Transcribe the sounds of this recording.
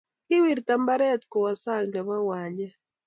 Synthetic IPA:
kɪ˦wi˨ɾt̪a˨mba˦ɾɛ˦t̪kɔ˨wa˨sa˦ŋna˨wa˦wa˨ɲa˦

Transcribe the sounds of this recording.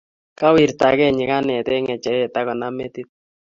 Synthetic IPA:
ka˦wi˨ɾta˨kɛ˦˨ɲɪ˨ka˦nɛ˨tɛ˦ŋɛ˨t͡ʃɛ˨ɾɛ˦˨ta˦kɔ˨na˦mɛ˦ti˦t̚

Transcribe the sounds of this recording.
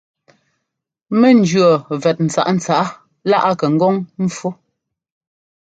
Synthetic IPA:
mɛ˦˨n̩˨˦d͡ʒɥɔ˨vɛ˨t̚n̩˨t͡sa̰˨ʔn̩˨t͡sa˨ʔa˦ | la˦ʔa˦kɛ˨ŋ̩˦ɡɔ˦ŋm̩˦fwo˦

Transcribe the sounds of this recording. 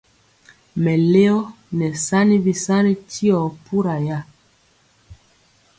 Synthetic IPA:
mɛ˨le˦ɔ˦ | nɛ˨sa˦ni˦bi˨sa˦ni˦tʰi˦ɔ˨pu˦ɾa˨ja˦˨

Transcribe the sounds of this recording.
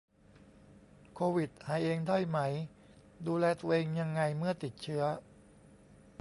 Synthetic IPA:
kʰoː˧wi˨˩t̪̚haː˩˦jʔeː˧ŋda˥˩jma˦˥j | duː˧lɛː˧t̪u˧ɐʔeː˧ŋja˧ŋːa˧jmɯ˥˩ɐt̪i˨˩t̪̚t͡ɕʰɯ˦˥ɐ

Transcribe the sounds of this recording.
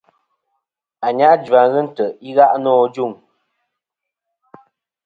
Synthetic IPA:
a˨ɲa˦ʔd͡ʒa˨ŋɣə˦n̩˦tə˨i˦ɣa˦ʔnɔː˦˨d͡ʒu˦˨ŋ

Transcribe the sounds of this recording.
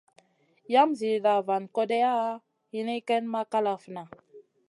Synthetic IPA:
ja˦mzi˨da˨va˨nko˦de˦a˦ | hi˦ni˦kɛ˦nma˦ka˦la˨fə˨na˨

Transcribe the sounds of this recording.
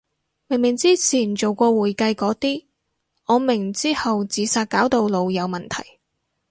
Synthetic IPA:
mɪ˨˩ŋmɪ˨˩ŋt͡siː˥t͡sʰiː˨˩nt͡so˨wkɔː˧wuː˨˩jkɐ˧jkɔː˨˥t̪iː˥ | ŋɔː˨˧mɪ˨˩ŋt͡siː˥hɐ˨wt͡siː˨˧˥saː˧t̚kaː˨˥wt̪o˨˧wlo˨˧wjɐ˨˧wmɐ˨nt̪ʰɐ˨˩j

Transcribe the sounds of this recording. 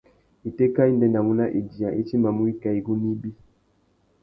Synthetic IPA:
i˨tɛ˦ka˦i˦ndɛ˨nda˨mu˦na˦ʔi˨d͡ʒi˨ã˨ʔi˦t͡ʃi˦ma˨mu˦i˦ka˨i˨ɡu˦ni˦bi˦

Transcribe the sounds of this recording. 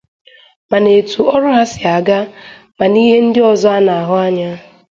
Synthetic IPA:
ma˨ne˨tu˨ɔ˦ɾʊ˦ɦa˦sɪ˨a˨ɡa˦ | ma˨ni˦ɦe˦n̩˦dɪ˦ɔ˨zɔ˦a˦na˨a˨ɦʊ˦a˦ɲa˦

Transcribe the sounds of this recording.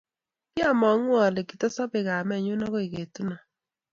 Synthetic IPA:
kja˦˨mɔ˨˦ŋ˦ɔ˨le˨ki˨tɔ˦sɔ˦be˨ɣa˨mɛ˦˨ɲʊ˦na˦ɣo˦e˨ɣe˨tu˦na˨

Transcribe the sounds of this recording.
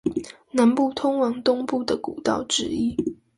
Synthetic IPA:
na˧˦npu˥˨t̪ʰʊ˥ŋwɑ˧˥ŋt̪ʊ˥ŋpu˥˩d̪ə˩ku˨˩t̪ɑ̰˥˨ʊʈ͡ʂɻ̩˥i˦˥

